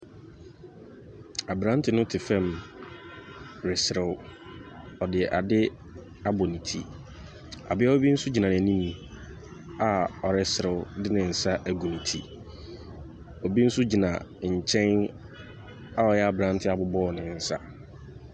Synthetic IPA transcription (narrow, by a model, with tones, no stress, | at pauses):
a˨bɾã˦n˦tʰɪ˨˦nʊ̃˦tʰɪ˨fɛ̃˦˨m | ɾɪ˨sɪ˨ɾɪ˨w | ɔ˨dɪ˨ɛ˨ʔa˨dɪ˦ | a˦bɔ˨nĩ˨tʰḭ˨ | a̰˨bɪ˦a˦ɔ˦bi˦n̩˦sʊ˦d͡ʑi˨nã˨nɪ̃˨æ˨nĩ˦m̃˨ | a˨ɔ˨ɾɪ˨sɪ˨ɾɪ˨ʊ˦dɪ˦nɪ̃˨n̩˨sa˦ʔæ˨ɡu˨nĩ˨tʰḭ˨ | ɔ˨bi˦n̩˦sʊ˦d͡ʑi˨nã̰˨ɲ̩˨t͡ɕʰɛ̃˦n | a˦ɔ˨jɛ˦a˨bɾã˦n˦tʰɪ˦a˨bʊ˨bɔː˦˨nɪ̃˨n̩˨sa̰˦